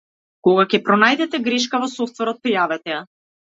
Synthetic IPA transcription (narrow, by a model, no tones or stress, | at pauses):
koɡakʲɛpɾɔnajd̪ɛt̪ɛɡɾɛʃkavɔsɔft̪vɛɾɔt̪̚pɾijavɛt̪ɛja